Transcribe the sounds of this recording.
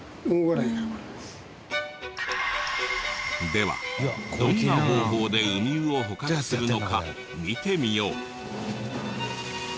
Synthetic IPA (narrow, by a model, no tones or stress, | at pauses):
oɡoɾaiɡaβaɾimas | d̪e̞βa̰d̪oinaho̞ːho̞ːd̪e̞ɯɲʲɨːo̞ɦo̞kakɯ̥sɨɾɯ̟no̞ka | mʲit̪e̞mʲijo̞ː